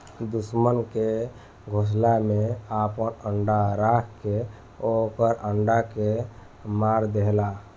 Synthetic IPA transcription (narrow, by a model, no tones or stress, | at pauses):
d̪usmənke | ɡʱos̬lameapənəɳɖaɾakʰke | okəɾəɳɖake | maɾd̪eɦla